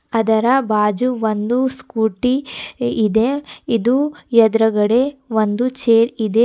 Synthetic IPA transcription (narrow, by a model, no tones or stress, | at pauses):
ɐd̪ɐɾɐbaːd͡ʒuʋond̪uskuːʈiː | d̪eid̪ujɐd̪ɾɐɡɐɽeʋond̪ut͡ʃeːɾid̪e